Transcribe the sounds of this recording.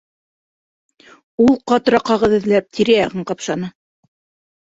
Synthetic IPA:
ulˠqɑt̪ɾɑqɑʁɤ̆ðɘ̆ðlæp̚t̪ʰiɾæjɑʁɤɴqɑpʃɑnɤ

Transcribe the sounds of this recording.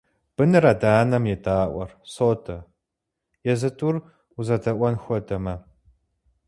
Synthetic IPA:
b̥ɨnɨɾɐdaːnɐmjɛtʰʼaːʔʷɔ̰rsoːtʰɐ | jɛzɨtʰʼur | uzɐtʰɐʔʷɔnxʷɔdʰɐmɐ

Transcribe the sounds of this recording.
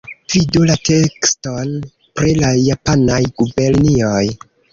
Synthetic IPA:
vidulate̞kston | pɾelajapanajɡube̞ɾnioj

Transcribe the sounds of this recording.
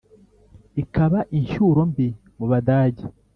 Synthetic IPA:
ikaβaʔiɲʃuɾo̞mbi | muβadaːɟe

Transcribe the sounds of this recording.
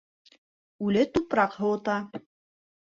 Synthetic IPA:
ʉlɘt̪upɾɑqhɤ̆wɤ̆t̪ɑ

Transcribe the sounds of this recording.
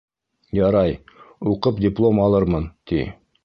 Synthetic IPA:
jɑɾɑjuqɤpdʲɪplˠo̞mɑlˠɤɾmɤnt̪ḭ

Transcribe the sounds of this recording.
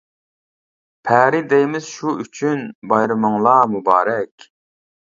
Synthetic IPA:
pʰæɾɪd̪ɛjmɪz̥ʃuyt͡ʃʰynbɑjɾɨmɨŋlˠɑmubɑːɾɛkʲ

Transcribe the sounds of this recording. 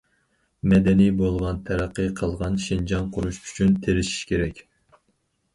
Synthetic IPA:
mɛd̪ɛnijbolˠʁɑnt̪ʰæɾæqʰːɨqʰəlˠʁɑnʃind͡ʒɑnqʰʊɾuʃy̥t͡ʃʰynt̪ʰeɾɪʃi̥ʃkʲʰeɾɛkʲ

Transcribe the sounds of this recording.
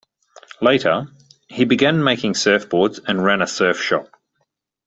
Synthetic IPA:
leɪɾə | hibɨɡæ̃nmeɪkɪ̃ŋsɜˑfb̥ɔːdz̥ə̃nɹæ̃nəsɜˑfʃɒp̚

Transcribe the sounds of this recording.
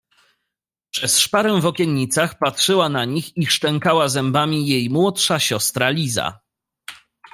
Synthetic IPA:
pʂɛsʂpaɾɛwvɔkʲɛnɲit̪saxpatʂɘwanaɲixiʂt͡ʂɛŋkawazɛmbamʲijejmwɔtʂaɕɔst̪ɾalʲiza̰

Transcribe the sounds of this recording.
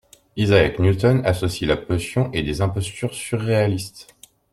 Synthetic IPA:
izaɛknult̪ɔnasɔsilapɔsjɔ̃ʔed̪ezɛ̃pɔst̪yʁsyʁːealist̪

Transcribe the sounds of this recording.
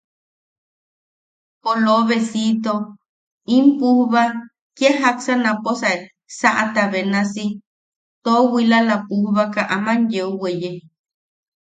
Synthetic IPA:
poloβesit̪o | impuhβa | keɦaksanãposae | saʔat̪aβenãsi | t̪owilalapuhβakaʔamãnjeuweje

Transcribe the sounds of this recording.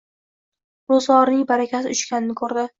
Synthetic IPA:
bʊzɒɾnɪŋbaɾakʲasɪʊt͡ʃkʲanɪnɪkʰɵɾd̪ɪ

